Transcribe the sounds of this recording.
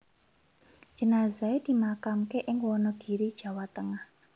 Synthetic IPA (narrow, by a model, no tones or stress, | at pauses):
ʒ̥ə̤naza̤ed̪̥i̤makamkeʔɪŋwɔnɔɡ̥i̤ɾid̥ʒ̥a̤wat̪əŋah